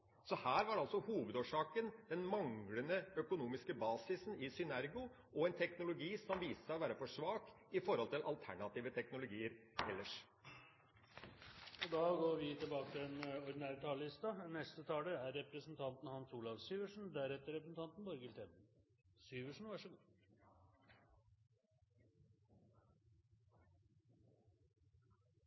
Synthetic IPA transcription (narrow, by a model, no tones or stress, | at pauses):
sɔhæːɾʋɑɖɑlsɔhuːʋəd̪oːʂɑːkənd̪ɛnmɑŋɡlənəœkʊnuːmɪskəbɑːsɪsn̩ɪsʏnæɾɡʊ | ʔɔɛnt̪ʰɛknʊlʊɡiːsɔmʋiːsəɔʋæːɾəfɔʂʋɑːk | ɪfɔɾhɔlt̪ɪlʔɑlt̪ʰæɳɑt̪iːʋət̪ʰɛknʊlʊɡiːəɾɛlːəʂ | ɔd̪ɑːɡoːɾʋɪt̪ʰɪlbɑːkət̪ɪlɛnɔɾd̪ɪnæːɾt̪ʰɑːləlɪst̪ɑnɛst̪ət̪ʰɑːəæɾɛpɾəsnt̪ʰɑnt̪n̩hɑnsuːlɑʋsyːʋəʂn̩d̪æɾɛt̪ːəɾɛpɾəsn̩t̪ɑnt̪n̩bɔɾɡəɪlt̪ʰɛt̪̩ | syːʋəʂɳ̩ʋɑʂəɡuː